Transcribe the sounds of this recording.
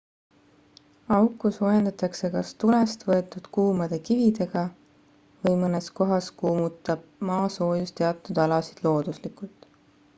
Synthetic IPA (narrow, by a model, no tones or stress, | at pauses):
ɑwkːˑuso̞jend̪̥ɑt̪ˑɑkse̞kɑst̪ulest̪vɤe̞t̪ːˑud̪̥kuːmɑd̪̥e̞kivid̪e̞ɡ̥ɑ | vɤjmɤne̞sko̞ɦɑskuːmut̪ːˑɑb̥̚mɑːso̞ːjust̪e̞ɑt̪ːˑud̪̥ɑlɑsid̪̥lo̞ːd̪̥uslikult̪ˑ